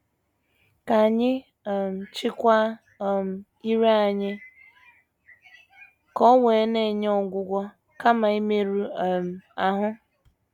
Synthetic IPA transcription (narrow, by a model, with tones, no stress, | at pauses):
ka˨ɲɪ˦˨ | m̩˨t͡ʃɪ˦kʷa˦ | m˨ | i˦ɾe˦a˨ɲɪ˦ | kɔ˦we˨˦ne˦˨ɲ˦ɔ˦˨ɡʷʊ˦ɡʷɔ˦ | ka˦ma˨i˦me˦ɾu˦˨m˨a˨ɦʊ˦